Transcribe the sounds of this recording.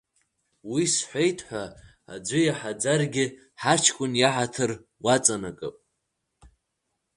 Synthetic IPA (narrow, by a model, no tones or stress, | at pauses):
wisħʷejtʰʼħʷa | a̰d͡ʒʷʏjaħad͡zarɡʲɪ | ħat͡ʃʰkʷʼʊnjaħatʰɨr | wat͡sʼanakʼɨ̰pʼ